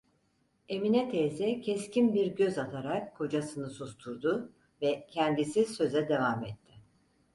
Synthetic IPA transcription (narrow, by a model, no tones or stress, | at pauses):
e̞minɛt̪ʰɛzɛcʰɛscʰinbiɾɟø̞zat̪ʰaɾakkʰo̞d͡ʒasɯnɯsust̪ʰuɾd̪ʊ | vɛcʰænd̪isisø̞zɛd̪e̞vamɛt̪ʰːɪ